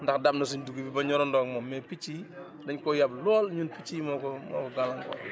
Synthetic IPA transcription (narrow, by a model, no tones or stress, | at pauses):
ndɐxdɐbnɐs̬uɲduɡibibɐɲɔɾɔndɔːk̚mɔmːɛpit͡ʃːiː | dɐɲkɔjɐblɔːlɲunpit͡ʃiːmɔːkɔmɔ̰ːkɔɡalɐŋkɔ̰